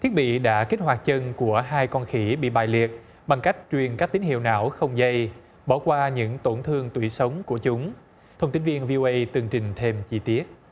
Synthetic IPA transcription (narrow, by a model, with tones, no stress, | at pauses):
t̪ʰi˦˥əɓḭ˧˨ɗa̰ː˧˥ke˦˥t̚ɦwaː˨˩t̚t͡ɕə˧nku˧˩əɦaː˧jkɔ˧nxi˧˦ɓḭ˧˨ɓa̰ː˧˩jli˨˩ət̚ | ɓa˨˩ŋka˦˥jk̟̚t͡ɕwi˨˩ənkaː˦˥k̚t̪i˨˦ŋhḭ˧˨wna̰ː˧˥wxə˧wŋ͡mzə˧j | ɓa˧˩wkwaː˧ɲɨ̰˧˥ŋt̪o˧˩nt̪ʰɨ˧əŋt̪wi˧˩sə˨˦wŋ͡mku˧˩ət͡ɕʊ˨˦ŋ͡m | t̪ʰə˧wŋ͡mt̪i˨˦nvi˧ənvi˧ʔo˧ʔə˧jt̪ɨ˨˩əŋt͡ɕï˨˩ŋ̟t̪ʰe˧mt͡ɕi˧t̪i˦˥ət̚